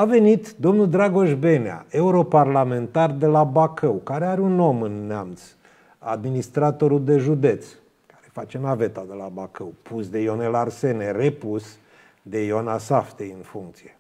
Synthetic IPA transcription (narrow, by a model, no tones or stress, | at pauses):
ave̞nit̪d̪o̞mnuld̪ɾaɡo̞ʃbenea̰e̞uɾo̞parlame̞nt̪ard̪e̞labakʰəwkaɾeaɾeuno̞mɨnːeamt̪s | a̰d̪minist̪ɾat̪o̞ɾuld̪e̞ʒud̪e̞t̪s | kaɾefat͡ʃenave̞t̪ad̪e̞labakəwpʰusd̪e̞jo̞nelarse̞nerepus | d̪e̞jonasaft̪ejɨnfuŋk̚t̪sije